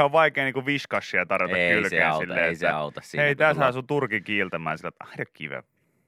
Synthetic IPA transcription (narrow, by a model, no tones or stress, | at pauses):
oʋʋɑikeːniːkuʋiskɑsːiɑt̪ɑrʋiɑkːkylkæːnsilːeetsːæɑut̪ɑssieˑit̪æshæːˑsut̪urkikiːlt̪æmæ̰ːnsilːæt̪ɑhdɑkːḭʋḛʋ